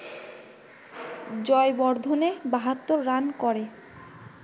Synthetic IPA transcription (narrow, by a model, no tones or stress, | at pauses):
d͡ʑɔejbɔɾd̪ʱonebaɦat̪ːoɾːankɔɾe